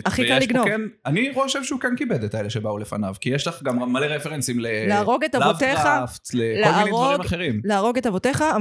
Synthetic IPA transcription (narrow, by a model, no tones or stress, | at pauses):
aχikallːiɡnnoemaniʁooʃevʃeukenkibed̪et̪aeleʃebaule̞fa̰navkijeʃlaχɡamʁamːaleʁefeʁensimleleaʁo̞ɡetalovteχaft̪lekleolmainejʁdoaʁɡimaχeʁimleaʁo̞ɡetavoteχaa